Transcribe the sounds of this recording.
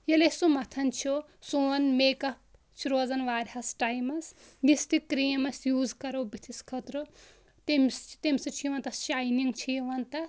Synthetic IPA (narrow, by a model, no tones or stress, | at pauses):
jelesumɐt̪ʰɐnt͡ʃʰo | suɐnmeːkɐp̚ | t͡ʃʰuɾoːd͡zɐnʋaːɾʲhɐsʈajmɐs | nist̪ikɾijmɐsjuːzkɐɾobit̪ʰiskʰɐt̪ɾo | t̪emsʰt̪emsɐt͡ʃʰijʋɐnt̪ɐst͡ʃajniŋt͡ʃʰiʋɐnt̪ɐ